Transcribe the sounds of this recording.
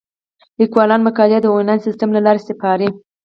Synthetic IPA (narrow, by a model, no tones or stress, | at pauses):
likwɑlɑnmakɑlad̪əonansist̪amlalɑɾest̪ɪpɑɾi